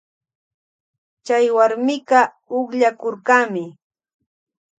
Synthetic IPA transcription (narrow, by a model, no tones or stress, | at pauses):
t͡ʃajwaɾmɪkɑ | ʊχʎakoɾkaːmɪ